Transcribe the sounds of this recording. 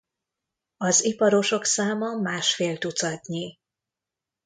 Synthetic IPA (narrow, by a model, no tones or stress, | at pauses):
ɒzipɒɾo̞ʃo̞ksaːmɒmaːʃfeːlt̪ut̪sɒt̪ɲi